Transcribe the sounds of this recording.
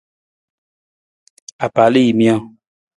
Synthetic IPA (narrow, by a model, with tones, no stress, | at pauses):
a˨pa˨li˦ji˨mĩ˦ɔ̃˦˨